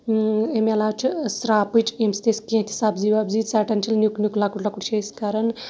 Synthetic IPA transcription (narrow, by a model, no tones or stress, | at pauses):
emelat͡ʃʰsɾaːpɨt͡ʃʰemst̪eskẽt̪ʰʲisaːbzibabzisaʈɐnt͡ʃʰilnjuknʲjuklakuʈlakuɽt͡ʃʰeskaɾɐn